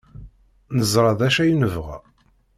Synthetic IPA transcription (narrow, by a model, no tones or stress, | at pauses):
nəzˤɾˤɑðæʃæjnəvʁæ̰